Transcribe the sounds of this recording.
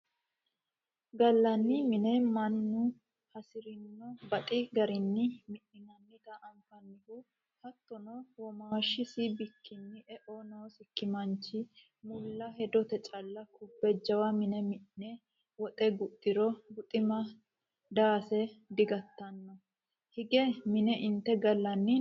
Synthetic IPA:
ɡɐlːɐnːɪmɪnɛmɐnːʊ | hɐsɪɾɪnːɔbɐt̪ʼɪɡɐɾɪnːɪmɪʔɪnɐnːɪt̪ɐʔɐŋfɐnːɪhu | hɐt̪ːɔnɔwɔmaːʃːɪsɪbɪkʰːɪnːɪʔɛʔonoːsɪkːɪmɐnt͡ʃːɪ | mʊlːɐɦɛd̪ɔt̪ɛt͡ʃʼɐlːɐkʊbːɛd͡ʒːɐwɐmɪnɛmɪʔnɛ | wɔt̪ʼɛɡʊtʼːɪɾɔɡʊt̪ʼɪmɐ | d̪aːsɛd̪ɪɡɐt̪ːɐnːɔ | hɪɡɛmɪnɛʔɪnt̪ːɛɡɐlːɐnːɪ

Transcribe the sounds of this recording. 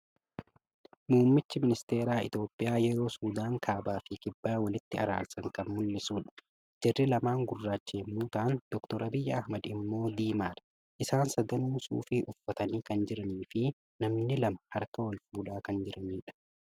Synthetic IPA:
muːmːɪt͡ʃːɪmɪnɪst̪e̞ːɾaːɪ̰t̪joːpʼːɪjaːjɛɾo̞ːsuːd̪aːŋkʰaːbaːfɪkɪbːaːwɐlɪt̪ːɪɐ̰ɾa̰ːlsɐŋkɐnmʊlːɪsuːᶑɐ̥ | d͡ʒɛrːɪlɐmaːŋɡʊrːaːt͡ʃːeːmːuːt̪aːnd̪̥ɔkt̪ɔɾʔɐbɪjːɐɐhmɐd̪ɪmːo̞ːd̪iːmaːɾɐ̥ | ʔɪsaːnsɐd̪ɐnuːsṵːfɪʔʊfːɐt̪ɐniːkɐnd͡ʒɪɾɐniːfɪ | nɐmnɪlɐmɐhɐɾkɐwɐlfuːᶑaːkɐnd͡ʒɪɾʔɐniːᶑɐ̥

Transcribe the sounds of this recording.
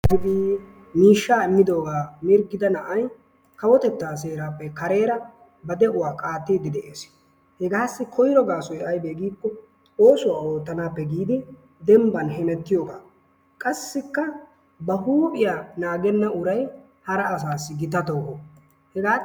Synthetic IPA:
ɪd̪i | miːʃːaːɪmːɪd̪o̞ːɡaːmɪɾɡɪd̪ɐnɐʔɐj | kɐwɔt̪ɛt̪ːaːs̬e̞ːɾaːpːɛkɐɾeːɾɐ | bɐd̪ɛʔʊwaːkʼaːt̪ːid̪ɪd̪ɛʔeːs | hɛɡaːsːɪkʰɔjɾɔɡaːsɔjɐjbeːɡiːkːɔ | oːsʊwaːo̞ːt̪ːɐnaːpːɛɡiːd̪ɪ | d̪ɛmbɐnhɛmɛt̪ːɪjo̞ːɡaː | kʼɐsːɪkːɐ | bɐhuːpʼɪjaːnaːɡɛnːɐʊɾɐj | hɐɾɐːsaːsːɪɡɪt̪ːɐt̪oɔ | hɛɡaː

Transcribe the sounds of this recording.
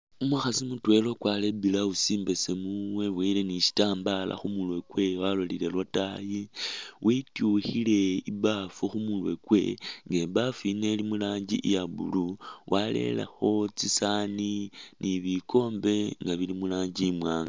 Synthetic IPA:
umuaxasimutwe̞lo̞kwalebilausiːmbe̞se̞muwe̞βweleniʃi̥taːmbala̰xumulwe̞kwe̞walolile̞lwatajiwʔitjuxile̞ibafuxumulwekwe̞̰ŋɡebafine̞limulaːɲɟḭʔjabṵluwʔale̞̰la̰xo̞t͡sisaninʔiβiko̞ːmbe̞ŋɡaβilimulaːɲɟimwaːŋɡa

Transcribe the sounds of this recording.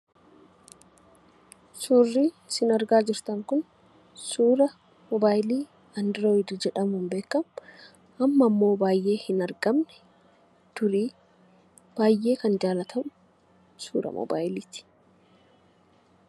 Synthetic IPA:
suːrːiː | sɪnɐɾɡaːd͡ʒɪɾt̪ɐŋkʊn | suːɾɐ | mɔbaːjliː | ɐnd̪ɪɾoːɪd̪ɪd͡ʒɛᶑɐmʊmbe̞ːkːɐmʊ | ʔɐmːɐmːo̞ːbaːjʔe̞ːhɪnɐɾɡɐmnɛ̥ | t̪ʊɾiː | b̥aːjʔːe̞ːkɐnd͡ʒaːlɐt̪ʰɐmʊ | sṵːɾɐ̰mɔ̰ba̰ːjɪliːt̪ɪ̥

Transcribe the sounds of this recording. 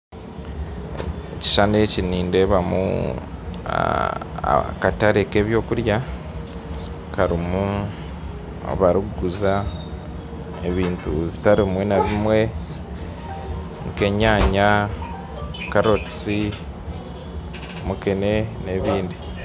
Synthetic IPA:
eci̥ʃaneciniːnde̞βamṵ | kataɾeke̞ːβjo̞ːkuɾja | kaɾimu | βaɾiɡuza | ḛβiːntṵβitaɾimwe̞naβimwe̞ | muke̞ɲaːɲa | kaɾo̞ti̥si | mukene̞ne̞βiːndi

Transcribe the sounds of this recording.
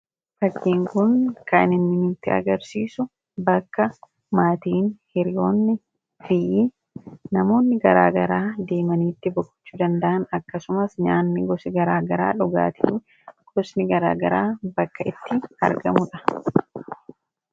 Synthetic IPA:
fɐkːiːŋkʊnkɐnɪnːɪnit̪ːɪɐ̰ɡɐɾsiːsʊ | bɐkːɐ | maːt̪iːnhɪɾɪjo̞ːnːɪ | fɪj | nɐmo̞ːnːɪɡɐɾa̰ːɡɐɾaːd̪e̞ːmɐniːt̪ːɪbɔkʼːʊ̥t͡ʃːuːd̪ɐnd̪ɐʔɐnɐkːɐsʊmɐsɲaːnːɪɡɔsɪɡɐɾaːɡɐɾaːᶑʊɡa̰ːt̪ʰi | ɡ̥ɔsnɪɡɐɾa̰ːɡɐɾaːbɐkːɐʔɪt̪ːɪɐ̰ɾɡɐ̰mʊᶑɐ̥

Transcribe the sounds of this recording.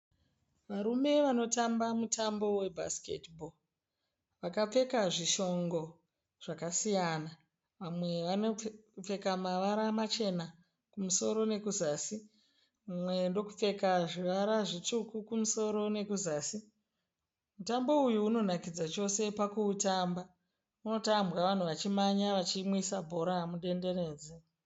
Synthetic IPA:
ʋaɾume̞ʋano̞tambamutʰambo̞we̞bʱa̰skḛtbʱo | ʋakap͡fe̞kaʐiʃo̞ŋɡo̞ | ʐ̥akasijana | ʋamwe̞ʋanop͡fe̞kamaʋaɾamat͡ʃe̞na | kumuso̞ɾo̞ne̞kuzaːsi | ʋamwe̞ndo̞ku̥p͡fe̞kaʐiʋaɾaʐitukukumuso̞ɾo̞ne̞kuzaːsi | mutambo̞ujuːno̞nakid͡zat͡ʃo̞se̞pakuːtaːmba | uno̞tambwaʋan̤uʋat͡ʃimaɲaʋat͡ʃimwisabʱo̞ɾamuɗe̞nde̞re̞ːd͡ze

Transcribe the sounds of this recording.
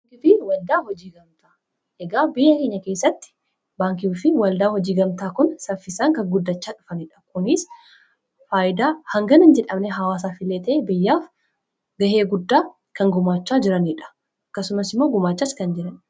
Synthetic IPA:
ŋkɪfɪwɐld̪aːhɔd͡ʒiːɡɐmt̪aː | ɛɡaːbɪjɐkeːɲːɐkeːsːɐt̪ːɪ̥ | baːŋkɪuːfɪwɐld̪aːhɔd͡ʒiːɡɐmt̪aːkʊnsɐfɪsaːŋkɐɡʊd̪ːɐt͡ʃːaːᶑʊfɐniːᶑɐ̥kʊnɪs | faːjɪd̪aːhɐŋɡɐnɐnd͡ʒɛᶑɐmnɛɦɐwaːs̬aːfɪlːeːt̪ɛʔebɪjːaːf | ɡɐheːɡʊd̪ːaː | kɐŋɡʊmaːt͡ʃːaːd͡ʒɪɾɐniᶑɐ̥ | ɐkːɐsʊmɐsɪmːo̞ːɡʊmaːt͡ʃːaskɐnd͡ʒɪɾɐn

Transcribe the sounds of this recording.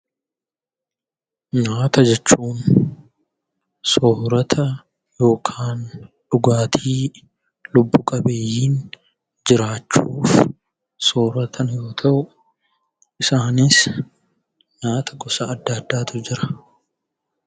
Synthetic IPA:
naːt̪ɐd͡ʒɛt͡ʃːuːn | soːɾɐt̪ʰɐ | jo̞ːkʰaːnᶑʊɡaːt̪ʰiː | lʊbːʊkʼɐbeːjiːn | d͡ʒɪɾaːt͡ʃːuːf | soːɾɐt̪ʰɐnjo̞ːt̪ʰɐʔʊ | ʔɪsaːnɪs | naːt̪ʰɐɡɔsɐɐd̪ːɐːd̪ːaːt̪ʊd͡ʒɪɾɐ̥

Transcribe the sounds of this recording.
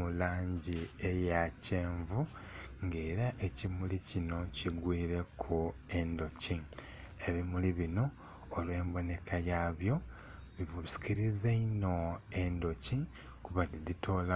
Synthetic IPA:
ulaːɲɟiejaceːɱvu | ŋɡe̞ːɾaʔe̞cimulicino̞ciɡwiːɾe̞kʰue̞ndo̞ci | e̞βimuliβino̞ː | lwe̞ːmbo̞ne̞kʰajaːβjo̞ | βiβusi̥kiɾizeino̞e̞ndo̞ci | kuβadiditʰo̞ːla

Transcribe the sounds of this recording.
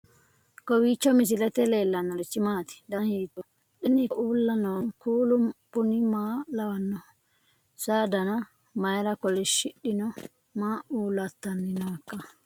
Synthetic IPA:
kɔwiːt͡ʃːɔmɪs̬ɪlɛt̪ɛle̞ːlːɐnːɔlɛt͡ʃːɪmaːt̪ɪ̥d̪ɐnhiːt̪ɔ | ɗɪnɪʔuːlːɐnɔnkuːlʊmpʊnɪmaːlɐwɐnːɔ | saːd̪ɐnɐ | mɐjɾɐkɔlɛʃɪɗːɪnɔ | maːʔuːlɐt̪ːɐnːɪnakːɐ

